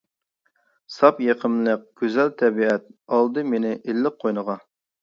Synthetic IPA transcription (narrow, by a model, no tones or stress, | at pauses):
sɑpjeqʰəmlˠɨk̚ʲɡ̥ʲøzɛlt̪ʰɛbiɛt̪̚ɑlˠd̪ɨmenɪʔelːɪqʰːojnəʁɑ